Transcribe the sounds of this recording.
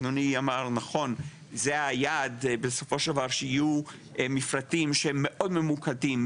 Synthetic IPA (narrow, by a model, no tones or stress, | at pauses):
nuniamaʁnaχo̞n | zeajad̪beso̞fo̞ʃld̪avaʁʃeiju | mifʁatimʃemːeʔo̞dme̞mukadim